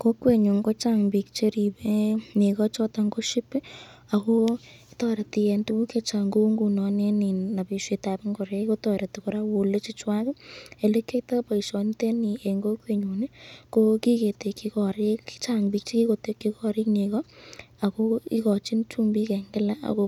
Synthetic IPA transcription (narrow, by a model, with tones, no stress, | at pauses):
ko˦kwe˨ɲu˨ŋɡo˦t͡ʃa˦ŋbi˨k̚t͡ʃe˦ɾi˨be˦ne˨ɣɔ˦t͡ʃɔ˦ta˧ŋɡo˦ʃi˦pɪ˦a˨ɣo˦i˦tɔ˦ɾe˨ti˧je˧ntu˦ku˦ke˦t͡ʃa˨ŋɡo˦ŋɡu˨nɔ˨ne˦ni˨na˨bi˨ʃe˧ta˨pe˦ŋɡo˨ɾe˧˦ko˦tɔ˨ɾa˨tu˨ko˨ɾa˦wo˨le˦t͡ʃi˦t͡ʃwa˦ke˨le˦kːe˦ta˦pa˨i˨ʃɔ˨nte˦ni˨e˨ŋɡo˦kwe˨ɲu˨ne˦ko˦ki˦ke˨te˨kːi˧kɔ˨ɾi˦kt͡ʃa˦ŋbi˦k̚t͡ʃki˦ko˨te˨kːi˦kɔ˦ɾi˦kne˨ɣɔ˦a˨ko˦ḭ˦kɔ˨t͡ʃi˦nt͡ʃu˦mbi˦kɛ˨ŋɡɪ˦la˦a̰˨ko˧